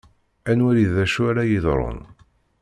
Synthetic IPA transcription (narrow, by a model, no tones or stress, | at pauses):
ænwæɾiðæʃuaɾæjiðɾˤo̰n